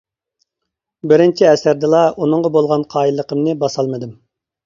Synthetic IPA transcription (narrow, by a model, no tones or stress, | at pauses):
bɪɾɪnt͡ʃʰiɛsæɾd̪ɪlˠɑʔunɨŋʁɑbolˠʁɑnqʰɑːilˠːəqʰəmnɨbɑsɑlˠmɨd̪ɨɪm